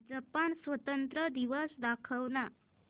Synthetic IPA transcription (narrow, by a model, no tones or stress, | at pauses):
d͡zəpansʋət̪ənt̪ɾəd̪iʋəsd̪akʰəʋna